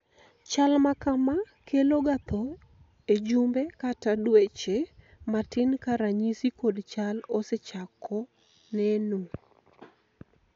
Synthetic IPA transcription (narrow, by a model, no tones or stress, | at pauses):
t͡ʃalmakama | keloɡat̪o | ed͡ʒumbekatadwet͡ʃe | matɪnkaɾaɲisikodt͡ʃaloset͡ʃakʰːɔ | nɛnu